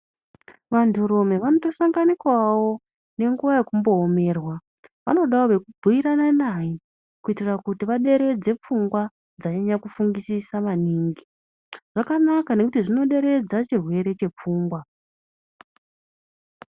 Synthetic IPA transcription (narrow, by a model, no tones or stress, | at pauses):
ʋantʰuɾome̞ʋano̞to̞saŋɡanikwawo̞ | ne̞ŋɡuʋajekumbo̞ːme̞ːrwa | ʋa̰no̞ɗaoʋe̞kubʱuiɾananaji | kuitirakutiʋaɗe̞ɾe̞d͡ze̞p͡fuŋɡwa | d͡zaɲaɲakufuŋɡisisaʋaniːŋɡi | ʐ̥akanakane̞kutiʐino̞ɗe̞ɾe̞d͡zat͡ʃirwe̞ɾe̞t͡ʃe̞p͡fuːŋɡwa